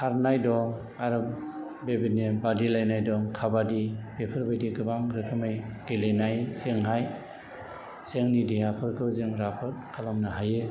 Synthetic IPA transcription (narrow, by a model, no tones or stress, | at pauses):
kʰaɾnajdɔŋ | aɾɯb̚ | bebenebadilajnajdɔŋkʰabadibepʰɯɾbajdiɡɯbaŋɾɯkʰɯmajɡ̥elenajseŋɦaj | seŋnidiɦapʰɯɾkʰɯwzɯŋɾapʰɯt̚kʰalamnaɦajɯ